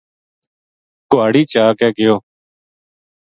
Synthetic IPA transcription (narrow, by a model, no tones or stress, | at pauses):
kʊaːɽiːt͡ʃaːkɛːɡɪjoː